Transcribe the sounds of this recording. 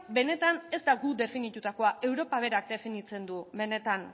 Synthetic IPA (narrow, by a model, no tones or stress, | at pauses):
be̞ne̞t̪ane̞zt̪aɡud̪e̞finit̪ut̪ako̞aʔe̞wɾo̞paβ̞e̞ɾak̚d̪e̞finit͡se̞nd̪ube̞ne̞t̪an